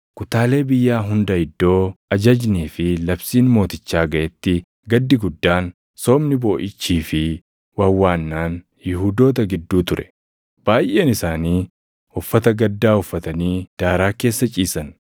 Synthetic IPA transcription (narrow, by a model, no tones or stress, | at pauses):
kʊt̪aːle̞ːbɪjːaːɦʊnd̪ɐɪd̪ːo̞ːɐd͡ʒɐd͡ʒniːfɪlɐbsiːnmo̞ːt̪ɪt͡ʃːaːɡɐʔɛt̪ːɪ | ɡɐd̪ːɪɡʊd̪ːaːn | so̞ːmnɪbo̞ːʔɪt͡ʃːiːfɪ | wɐwːaːnːaːn | jɪɦuːd̪o̞ːt̪̬ɐɡɪd̪ːuːt̪ʊɾʔɛ̥ | b̥aːjʔeːnɪsaːniː | ʊfːɐt̪ɐɡɐd̪ːaːʊfːɐt̪ɐniːd̪̥aːɾaːke̞ːsːɐt͡ʃʼiːsɐn